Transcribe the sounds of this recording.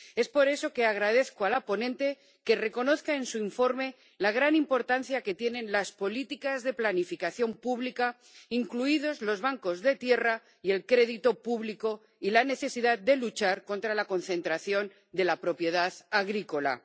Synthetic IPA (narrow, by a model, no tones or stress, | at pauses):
e̞spo̞ɾe̞so̞ke̞aɣ̞ɾaðe̞θkoalapo̞nẽ̞nt̪e̞ | ke̞re̞ko̞no̞θkae̞nsuiɱfo̞ɾme̞ | laɣ̞ɾanimpo̞ɾt̪an̟θjake̞t̪je̞nẽ̞nlaspo̞lit̪ikazðe̞planifikaθjo̞mpuβlika | iŋkluið̞o̞zlo̞zβaŋko̞zðe̞t̪je̞ra | ie̞lkɾe̞ðit̪o̞puβliko̞ | ilane̞θe̞siðað̚d̪e̞lut͡ʃaɾko̞nt̪ɾalako̞nθe̞nt̪ɾaθjo̞n | d̪e̞lapɾo̞pje̞ð̞aðaɣɾiko̞la̰